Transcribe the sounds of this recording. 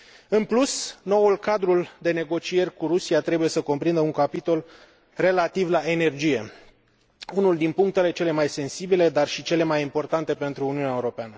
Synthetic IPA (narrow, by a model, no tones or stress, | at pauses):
ɨnplusno̞ulkad̪ɾuld̪e̞ne̞ɡo̞t͡ʃije̞rʲkuɾusiat̪ɾe̞buje̞səko̞mpɾind̪əuŋkapit̪o̞l | re̞lat̪ivlae̞ne̞rd͡ʒije̞ | unuld̪inpuŋk̚t̪e̞le̞t͡ʃe̞le̞majse̞nsibile̞d̪arʃit͡ʃe̞le̞majimpo̞rt̪ant̪e̞pe̞nt̪ɾuːniuneaeuɾo̞peanə